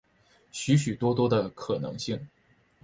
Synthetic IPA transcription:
ɕy˧˥ɕ̬y˨˩t̪wɔ˥t̪wɔ˥d̪ə˨kʰɤ˨˩nɤ̰˧˥ŋɕi˥˩ŋ

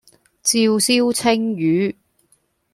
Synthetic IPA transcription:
t͡siː˧wsiː˥wt͡sʰɪ˥ŋjyː˨˧˥

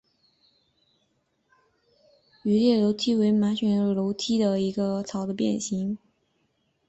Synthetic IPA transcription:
y˧˥ljɛ˥˩lo˧˥ʊt̪ʰi˥we˧˥ɪma˧˥ɕɥɛ˨˥nlo˧˥ʊt̪ʰi˥d̪ə˨i˧˥ɡə˧t͡sʰɑ˨˩ʊd̪ə˦pjɛ˥˩nɕi˧˥ŋ

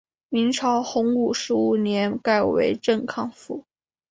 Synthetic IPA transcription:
mi˧˥ŋʈ͡ʂʰɑ˧˥ʊxʊ˧˥ŋu˨˩ʂɻ̩˧˥u˨˩njɛ˧˥nka˥˩ɪwḛ˧˥ɪʈ͡ʂə˥˧nkʰɑ˥˧ŋfu˥˩˦

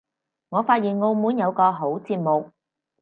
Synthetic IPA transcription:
ŋɔː˨˧faː˧t̚jiː˨˩nŋo˧wmuː˨˥njɐ˨˧wkɔː˧ɦo˨˥wt͡siː˧p̚mʊ˨k̚

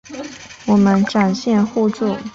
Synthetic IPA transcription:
wɔ˨˩mə˦nʈ͡ʂa˨˩nɕjɛ˥˧nxu˥˧t͡su˥˩

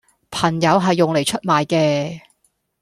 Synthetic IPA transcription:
pʰɐ˨˩ŋjɐ˨˧wɦɐ˨jːʊ˨ŋle˨˩jt͡ʃʰɵ˥t̚maː˨jkɛː˧

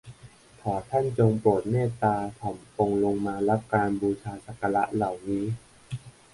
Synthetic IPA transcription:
t̪ʰɔː˩˦t̪ʰa˥˩nt͡ɕo˧ŋpɾu˨˩t̪̚meː˥˩t̪aː˧t̪ʰɔ˩˦mpo˧ŋlo˧ŋmaː˧la˦˥p̚kaː˧nbuː˧t͡ɕʰaː˧sa˨˩ka˧la˦˥ʔla˨˩wniː˦˥

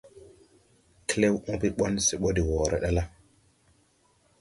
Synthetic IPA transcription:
kle˦wũ˦pi˦ɓo˦nsi˨ɓo˦di˨wo˨ɾḛ˦ɗa˦la˦

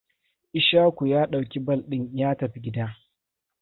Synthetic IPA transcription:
ʔɪ˦ʃaː˦kʷu˨jaː˦ɗa˨wkʲi˦bɐ˦˨lɗɪ˦ɲjaː˦tɐ˨ɸi˦ɡʲɪ˦daː˦

